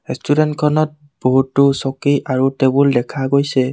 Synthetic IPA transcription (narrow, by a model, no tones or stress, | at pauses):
ɹɛstudɛntkʰɔnɔt̚ | b̥oɦutːʊsɔkiʔaɹutebʊldɛkʰaɡojsɛ